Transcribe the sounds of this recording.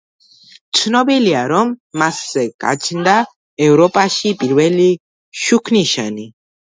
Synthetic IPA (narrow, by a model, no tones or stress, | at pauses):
t̪sʰnɔbiliaɾɔmːasːɛkʼa̰t͡ʃʰnd̪a | ɛvɾɔpʼaʃipʼiɾvɛli | ʃukʰniʃa̰ni